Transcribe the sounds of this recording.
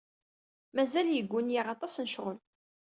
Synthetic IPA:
mæzæljəɡʷːʊnjiʁɑt̪ˤɑsnəʃʁʊl

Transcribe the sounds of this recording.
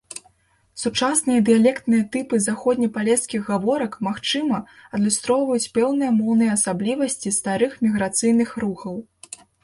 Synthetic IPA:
sut͡ʂasnɨjɐd̪ɨjalʲɛkt̪nɨjɐt̪ɨpɨzaxɔd̪ʲnʲɐpalʲɛskʲiɣɣavɔɾɐkmaxt͡ʂɨmɐɐd̪lʲust̪ɾɔwvɐjut͡sʲpɛwnɨjɐmɔwnɨjɐɐsablʲivɐsʲt͡sʲist̪aɾɨxmʲiɣɾat̪sɨjnɨxɾuxɐw

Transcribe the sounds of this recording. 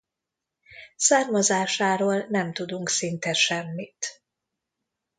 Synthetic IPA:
saːrmozaːʃaːɾoːlnɛmt̪ud̪uŋksint̪ɛʃɛmːit̪

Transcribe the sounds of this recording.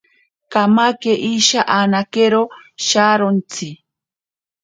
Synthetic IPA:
kamakeʔiʃaʔanakeɾoʃaɾont͡si

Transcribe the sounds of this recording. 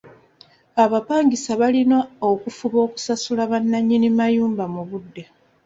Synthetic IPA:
aβapaːŋɡisaβalinookufuβo̞ːku̥sasulaβanːaɲːinimajuːmbamuβudːe̞

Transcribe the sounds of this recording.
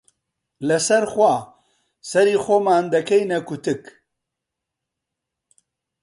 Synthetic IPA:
lɨsɛɾxwa | sɛɾiːxoːmaːnd̪ɐkɛjnɛkʊt̪ɨk

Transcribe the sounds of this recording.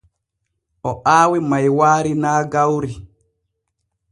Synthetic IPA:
ʔɔʔaːwimajwaːɾinaːɡawɾi

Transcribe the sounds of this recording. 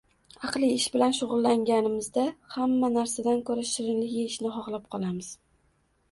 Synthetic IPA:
ɑqlˠiɪʃbɪlanʃʊʁʊlˠːaŋɡʲanɪmɪzd̪ahamːanaɾsad̪ankʰɵɾaʃɪɾɪnlɪɡʲɪɪʃnɪχɒχlˠap̚qʰɒlˠamɪz̥

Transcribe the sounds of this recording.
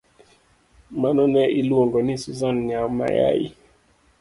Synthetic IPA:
manɔnɛilwoŋɡɔnisuzanɲama̰ja̰jḭ

